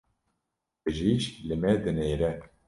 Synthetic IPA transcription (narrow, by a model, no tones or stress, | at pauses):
bɨʒiʃlɨmɛd̪ɨneːɾɛ